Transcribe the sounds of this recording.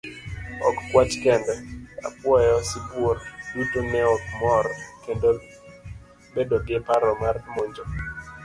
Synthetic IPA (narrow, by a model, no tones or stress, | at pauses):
ɔ̰kkwat͡ʃkɛndɛa̰pwɔjɔsipwoɾdutonɛɔk̚mɔɾkendo | bedoɡepaɾɔmarmoɲd͡ʒɔ